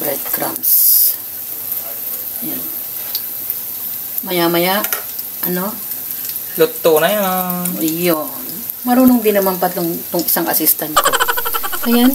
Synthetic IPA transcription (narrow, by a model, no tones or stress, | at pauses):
bɾɛd̪̚kɾa̰ms | jan | mɐjamɐjaʔ | ʔɐno | lʊt̪ːonɐjanjon | mɐɾuːnoŋbɪnɐmampɐt̪loŋt̪oŋʔɪsaŋʔɐsist̪ɐnt̪ko̰ʔɐjan